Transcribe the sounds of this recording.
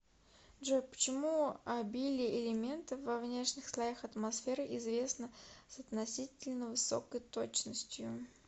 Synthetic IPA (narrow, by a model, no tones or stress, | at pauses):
ʐopə̥t͡ɕɪmuɐbʲilʲɪʔɪlʲɪmʲe̞nt̪əvɐvnʲe̞ʂnʲɪxslˠɐjaxɐt̪mɐsfʲe̞ɾɨʔɪzvʲe̞snəsɐt̪nɐsʲitʲɪlʲnəvɨso̞̰kəjt̪o̞t͡ɕnəsʲtʲjʊ